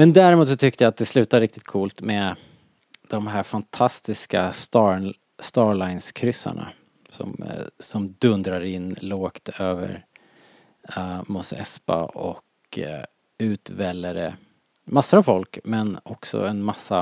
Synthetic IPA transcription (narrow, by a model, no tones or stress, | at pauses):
mɛnd̪æːɾɪmuːt̪sɔt̪ʰʏk̚t̪əjat̪̚d̪ɛslʉ̟ːt̪aɾɪk̚t̪ɪ̥t̪̚kʰuːlt̪mɛ | d̪̥ɔmɦæːɾfant̪ʰast̪ɪskast̪ɑ | st̪ɑːɾlaɪnskʰɾʏsːa̰ɳa̰ | sɔ̰msɔmd̪ɵnd̪ɾaɾɪnːloːkt̪øːvə̰ɾ | mʊsɛ̰spa̰ɔk | ʉ̟ːt̪vɛlːəɾə | masːʊɾavfɔlkmɛnɔksɔ̰ɛnmasːa